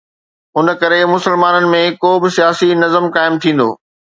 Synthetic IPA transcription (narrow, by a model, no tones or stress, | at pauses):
ʊnə̆kɐɾemʊsəlmaːnənɪ̆mẽkoːbɪsijaːsinɐzəmkaːɪmt̪ʰĩːn̆d̪o̰ː